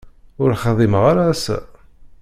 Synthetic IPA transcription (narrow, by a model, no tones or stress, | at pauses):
ʊɾχəðˤiməʁaɾaːsæ̰